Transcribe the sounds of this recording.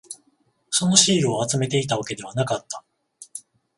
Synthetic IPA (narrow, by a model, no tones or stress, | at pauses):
so̞no̞ɕiːɾɯoat͡sɨme̞t̪e̞it̪aβake̞d̪e̞β̞anakat̪ːa